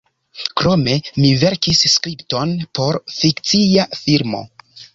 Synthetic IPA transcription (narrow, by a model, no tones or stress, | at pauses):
kɾo̞me̞mive̞ɾkisːkɾipto̞npʰo̞ɾfikt͡siafiɾmo̞̰